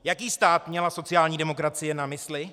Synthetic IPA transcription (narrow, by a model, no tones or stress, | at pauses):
jakiːst̪aːt̪mɲɛlaso̞t͡sɪjaːlɲiːdɛmo̞kɾat͡sɪjɛnamɪslɪ